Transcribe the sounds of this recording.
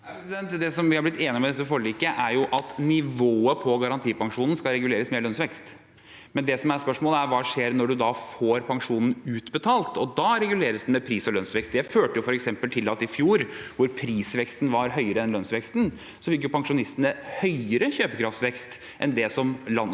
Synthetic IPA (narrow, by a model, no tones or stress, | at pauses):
ɛsɪd̪ɛnt̪d̪ɛsɔmʋɪhɑɾblɪt̪ːeːnɪmɛd̪ɛt̪ːəfɔɾɭiːkəʔæɾjʊʔɑt̪nɪʋoːəpʰɔɡɑɾɑnt̪ʰiːpɑŋʂuːnn̩skɑɾɛɡʉleːɾəsmeːɭlœnsʋɛkst̪ | mɛnd̪ɛsɔmæɾspœʂmoːləæɾʋɑːʂeːɾnɔɖʉd̪ɑfoːɾpʰɑŋʂuːnn̩ʉːt̪bət̪ʰɑːlt̪ʰɔd̪ɑːɾɛɡʉleːɾəsd̪ɛmɛpʰɾiːsɔlœnsʋɛkst̪d̪ɛføːʈəjʊfɔɾɛksɛmpəlt̪ʰɪlːɑt̪ɪfjuːɾʋʊɾpʰɾiːsʋɛkst̪nʋɑɾɦœʏəɾəɛnlœnsʋɛkst̪n | sɔfɪk̬jʊpɑŋʂʊnɪst̪ənəhœʏəɾəçøːpəkɾɑft̪sʋɛkst̪ | ʔɛnd̪ɛsɔmlɑn